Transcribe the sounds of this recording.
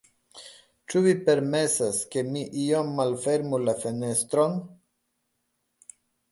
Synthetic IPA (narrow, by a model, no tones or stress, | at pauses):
t͡ʃuvipe̞ɾme̞saske̞miʔiomːalfe̞ɾmulafene̞st̪ɾon